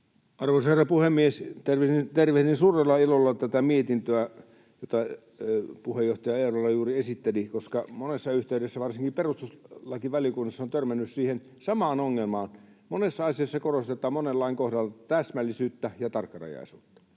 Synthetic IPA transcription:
ɑrʋoˑisherːɑpuhemːiest̪erʋiint̪erʋehninsuːrelːɑilolːɑt̪æt̪æmiet̪int̪øæ | jot̪ɑ | puhejoht̪ɑjɑeˑːrolːɑjuːriesit̪ːelikoskɑmonesːɑyht̪eydesːæʋɑrsiŋkiperust̪uslɑkiʋælikunːɑsːont̪ørmænːyssiːhen | sɑmɑːnoŋːelmɑːn | monesːɑɑsiɑsːɑkorost̪et̪ˑɑːmonelːɑiŋkohdɑlːɑt̪æsmælːˑisyːt̪ːæjɑt̪ɑrkːɑrɑ̰jɑ̰ˑisuːt̪ːɑ̥

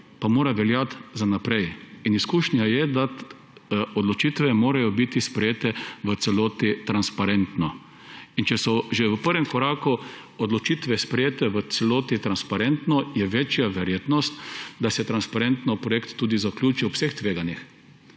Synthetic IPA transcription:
pamoːɾaʋɛljat̪zanapɾɛjiniskuːʃnʲjajɛd̪at̪ | ɔd̪lɔt͡ʃit̪ʋɛmoːɾajɔbit̪ispɾɛjeːt̪ɛʋət̪sɛloːt̪it̪ɾanspaɾɛnt̪nɔ | int͡ʃɛsɔʒeʋəpəɾʋɛmkɔɾaːku | ɔd̪lɔt͡ʃiːt̪ʋɛspɾɛjeːt̪ɛʋət̪sɛloːt̪it̪ɾanspaɾent̪nɔjɛʋet͡ʃjaʋɛɾjeːt̪nɔst̪d̪asɛt̪ɾanspaɾent̪nɔpɾɔjekt̪ːuːd̪izaklʲuːt͡ʃiɔwsext̪ʋeːɡanix

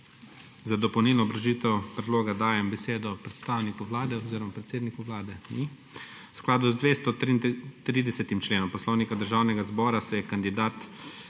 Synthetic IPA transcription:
zad̪ɔpɔwniːlnɔbɾaʒiːt̪ɛwpɾɛd̪loːɡad̪aːjɛmbɛseːd̪ɔpɾɛt̪st̪aːwnikuwlaːd̪ɛɔziːɾɔmapɾɛt̪seːd̪nikuʋlaːd̪ɛni | ʊsklaːd̪uzd̪ʋeːst̪ɔt̪ɾiːd̪ɛsɛt̪imt͡ʃleːnɔmpɔslɔːwnikad̪əɾʒaːwnɛɡazbɔːɾasɛjɛkand̪id̪aːt̪

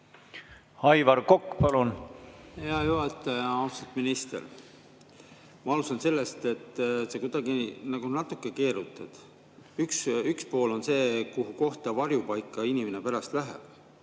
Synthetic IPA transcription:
hɑjvɑɾkokːpɑlunhe̞ɑjuɦɑt̪ːˑɑjɑɑwst̪ɑt̪minist̪e̞̰r | mɑɑlusɑnse̞lːe̞st̪e̞t̪ːˑse̞kud̪̥ɑɡinɑɡ̥unɑt̪ːˑukːˑe̞ke̞ːɾut̪ːˑɑd̪̥ | yksykspo̞ːlo̞nse̞ːkuɦuko̞ht̪ɑvɑɾjupɑjkːˑɑinimene̞pæɾɑst̪læɦḛb̥

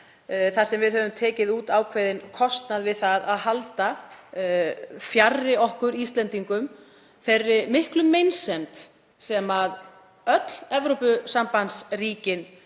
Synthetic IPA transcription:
θasɛmvɪðhœvʏmt̪ʰɛːcɪðuːt̪aːwkʰvejðɪnkʰɔst̪naðvɪðθaðaðɦalt̪a | fjarːɪɔhkʏɾist̪lɛnt̪iŋkʏm | θerːɪmɪhklʏmːejnsɛmt̪ | sɛmað | œt̪l̥ɛvɾowpʏsampansriːcɪn

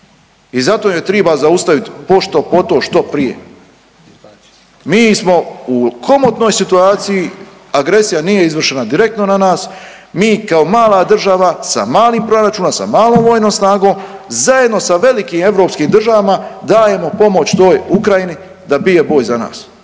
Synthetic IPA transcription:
izat̪oːjet̪ɾeːbazaust̪aʋit̪po̞ʃt̪o̞po̞t̪o̞ːʃt̪o̞pɾije̞̰ | miːsmo̞ukʰo̞mot̪no̞jsit̪uaːt̪siji | aɡɾe̞sijanije̞izʋr̩ʃe̞nad̪iɾe̞k̚t̪no̞nanaːs | miːkao̞maːlˠad̪r̩ʒaʋasa̰maːliːmpɾo̞ɾat͡ʃuːnomsa̰maːlˠoːmʋo̞ːjnoːmsnaːɡo̞ːmzaje̞d̪no̞saʋe̞likiːme̞vɾo̞ːpskiːmd̪r̩ʒaʋamad̪aːje̞mo̞po̞mo̞t͡ɕt̪o̞ːjukɾajini | d̪abije̞bo̞ːjzana̰ːs

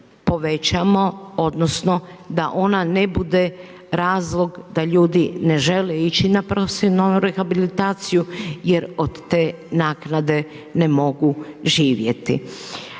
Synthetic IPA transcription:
po̞ʋe̞t͡ɕamo̞o̞d̪nosno̞d̪aʔo̞nanebud̪e̞ | ɾaːzlˠo̞ɡd̪aʎuːd̪ine̞ʒe̞leit͡ɕinapɾosinoɾexabilit̪aːt̪sijuje̞ɾo̞d̪t̪eː | naːknad̪e̞ | ne̞mo̞ɡuʒiːʋjḛt̪ḭ

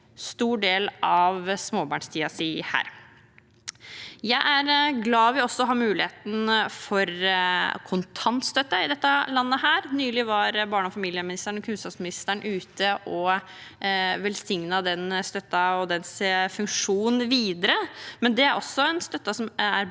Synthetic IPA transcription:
st̪uːɖeːlɑʋsmoːbɑːɳʂt̪ʰiːɑsihæ̰ːɾ | jæɪʔæɾɡlɑːʋɪɔsːɔɔɦɑɾmʉːlɪheːt̪n̩fɔɾ | kʰʊnt̪ʰɑnt̪st̪œt̪ːəɪd̪ɛt̪ːɑlɑnːəhæːɾnyːlɪʋɑɾbɑːɳəɔfɑmiːlɪəmɪnɪst̪əɳɔkʰʉnskɑpsmɪnɪst̪æɳʔʉːt̪ʰəʔɔ | ʋɛlsɪŋnɑd̪ɛnst̪œt̪ːɑɔd̪ɛnseːfʉŋkʂuːnn̩ʋiːd̪əɾəmɛnd̪ɛæɾʔɔsːɔɛnst̪œt̪ːɑsɔmæɾ

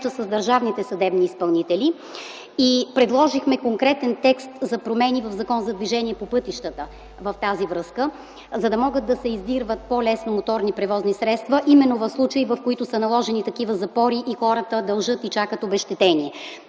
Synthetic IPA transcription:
t̪əsəzd̪ɐɾʒavnit̪ɛsɐd̪ɛbniːspɐlˠnit̪ɛli | ipɾɛd̪lˠɔʒixmɛkoŋkɾɛt̪ɛnt̪ɛkst̪zɐpɾomɛnivəvzɐkɔnzɐd̪viʒɛniɛpopɤt̪iʃt̪ət̪ə | vəft̪azivɾɤskə | zɐd̪ɐmɔɡəd̪̚d̪ːɐsɛizd̪iɾvət̪̚polɛsnomot̪ɔɾnipɾɛvɔznisɾɛt̪st̪vɐʔimɛnːovəfslˠut͡ʃəivɐfkoit̪ʊsɐnɐlˠɔʒɛnit̪ɐkivəzɐpɔɾiʔixɔɾət̪əd̪ɐlˠʒɤt̪it͡ʃakət̪obɛʃt̪ɛt̪ɛniɛ

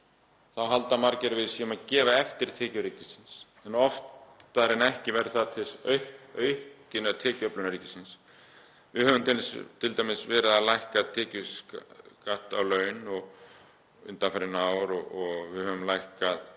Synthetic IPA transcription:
θawɦalt̪amaɾcɪɾvɪðsiːmaðcɛːvaɛft̪ɪɾ̥t̪ʰɛːcʏɾiːcɪsɪns | ɛnɔft̪aɾɪnɛhcɪvɛɾθaðt̪ʰɪsœɥhœɥhcɪnat̪ʰɛːcʏœplʏnaɾiːcɪ̥sɪns | vɪðhœːvʏmt̪ʰɪlst̪ʰɪlt̪ajmɪsvɛːɾɪðalajhkaðt̪ʰɛːcʏ | kaht̪awlœːɥnɔɣ | ʏ̰nt̪anfaɾɪnaːwɾɔɔɣvɪðhœːvʏmlajhkað

